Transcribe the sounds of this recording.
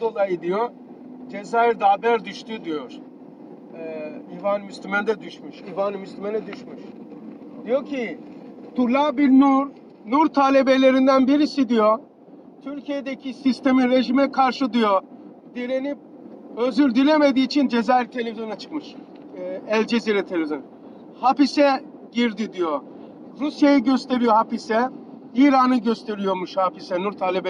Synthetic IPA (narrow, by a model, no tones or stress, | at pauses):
d̪o̞lˠajid̪ijo | d͡ʒezaːiɾd̪aːbæɾd̪yʃt̪ʰyd̪ijoɾ̥ | ɛivaːnimyslʲymɛnd̪ɛd̪yʃmyʃivaːnimyslʲimɛnɛd̪yʃmyʃ | d̪̥ijo̞cʰit̪ʰuɾlˠabiɾnuɾ | nuɾt̪ʰaːlʲe̞be̞lʲe̞ɾind̪ænbiɾisid̪ijo | t̪ʰyɾcʰijed̪ecʰisist̪ʰe̞minɾe̞ʒimɛkʰaɾʃɯd̪ijo | d̪iɾenip̚ | øzyɾd̪ilʲeme̞d̪iːt͡ʃʰind͡ʒezaɾt̪ʰe̞lʲevizjo̞nat͡ʃʰɯ̥kmɯʃ | ɛlʲd͡ʒeziɾɛt̪ʰelʲevizjon | hapisɛ | ɟiɾd̪id̪ijo | ɾusjajiɟø̞st̪ʰe̞ɾijo̞hapisɛiːɾanɯɟøst̪ʰe̞ɾijo̞ɾmuʃhapisɛnuɾt̪ʰaːlʲebe